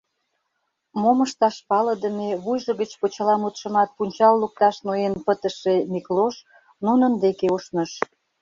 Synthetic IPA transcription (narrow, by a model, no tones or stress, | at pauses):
moməʃt̪ɑʃpɑlə̆d̪ə̆meβujʒə̆ɣət͡ɕpot͡ɕəlɑmut̪ʃə̆mɑt̪̚punʲt͡ɕɑlːuk̚t̪ɑʃnojenpət̪əʃemikloʃ | nunənd̪ekeuʃnəʃ